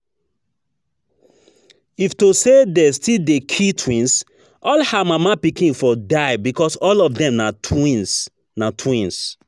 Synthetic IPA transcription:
iftosedestʰildekʰitʰwĩns | ʔɔlhamamapikĩnfɔdaɪbikɔsɔlɔfdɛ̃mnains | natʰwĩns

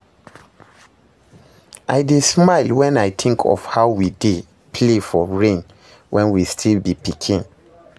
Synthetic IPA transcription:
ʔajdesmaɪlwɛ̃najtʰĩŋkʰɔ̰fhaʊwide | pʰlefɔɹẽn | wʔɛ̃nwistʰilbipikʰĩn

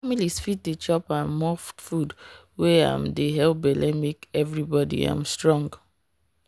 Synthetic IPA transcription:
familisfit̚det͡ʃɔpãmmɔftfud | weã̰mdeɦɛlp̚balʔɛmikɛvɹibɔdḭã̰mstɹɔ̃ŋɡ

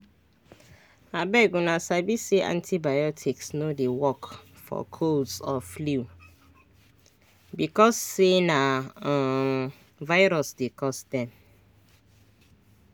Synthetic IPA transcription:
abɛɡũnãsabiseʔã̰ntʰibajɔtʰiksnõdewɔk | fɔ̰kʰodsɔflu | bikɔsːenã | vaɪɾɔsdekʰɔsdɛ̃m

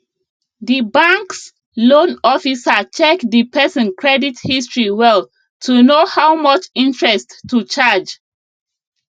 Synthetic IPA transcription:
dibãŋks | lõnɔfisat͡ʃɛkdipɛsɔ̃nkʰɹɛdithistɹiwɛl | tʰunohawmɔt͡ʃĩntɹɛstːut͡ʃad͡ʒ

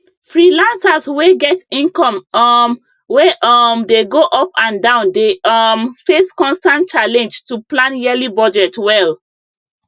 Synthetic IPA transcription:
fɹilãnsasweɡɛtĩnkɔ̃m | weʔɔmdeɡoʔɔpãndãʊ̃ndeʔɔmfeskɔ̃nstãnt̚t͡ʃalɛ̃nd͡ʒtuplãnjɛlibɔd͡ʒɛtwɛl

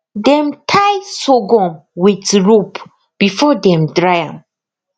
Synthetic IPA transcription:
dɛ̃mtʰajsoɡɔ̃mwitɹup | b̥ifɔdɛ̃mdɹajãm

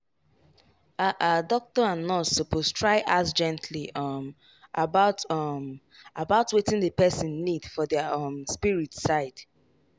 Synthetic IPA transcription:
aʔadɔk̚tɔãnɔsopʰoztʰɹaɪʔasd͡ʒɛ̃ntʰliʌm | ʔabaʊtɔm | abaʊtwetɪ̃nðəpɛsĩnːidfɔðəʌmspiɹitsaɪd̥

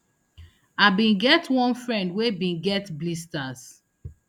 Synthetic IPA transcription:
abĩnɡɛtwɔ̃nfɹɛ̃ndwebĩnɡɛtblistas

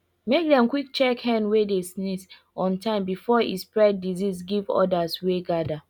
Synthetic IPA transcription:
mek̚dɛ̃mkwik̚t͡ʃɛkhɛ̃nwedesnis | ɔ̃ntʰãɪ̃mbifɔḭspɹɛd̚dizisɡivɔ̰dasweɡada

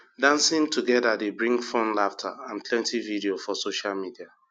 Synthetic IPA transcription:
dãnsĩŋtuɡɛdadebɹĩŋɡfɔ̃nlaftʰa̰ãnpʰlɛ̃ntividiofɔsoʃalmidia

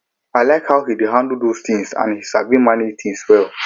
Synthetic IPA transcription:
aɪlaɪkhaʊhidiɦãndl̩dost̪ʰĩŋsã̰nhisavimanit̪ʰĩŋswɛlˠ

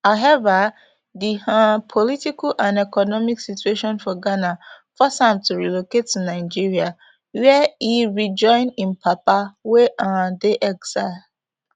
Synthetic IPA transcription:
haʊɦɛva | dihãpʰɔlitikalʔãnɛkɔnɔmiksitueʃɔ̃nfɔɡana | fɔsãmtʰuɹiloketːunaɪd͡ʒiɹia | wɛiɹid͡ʒɔ̃ɪ̃nĩnpʰapaweʔãdeʔɛɡsaɪ

